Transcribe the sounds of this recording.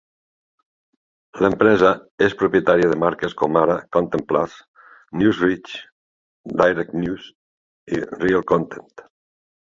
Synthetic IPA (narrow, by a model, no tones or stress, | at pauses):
ləmpɾɛzəespɾupjet̪aɾiəðəmaɾkeskɔmaɾakont̪enplas | njuzrit͡ʃ | d̪ajɾek̪̚njus | ḭrialˠkont̪ent̪